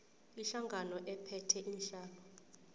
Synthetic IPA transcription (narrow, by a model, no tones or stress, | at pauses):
iɬaŋɡʱanɔʔɛpʰɛtʰɛʔinɬaːlɔ